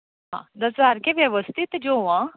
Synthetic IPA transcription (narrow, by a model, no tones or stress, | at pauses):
ɦã̰d̪əsʋaɾkeʋjəʋəst̪ʰit̪d͡ʒoʋã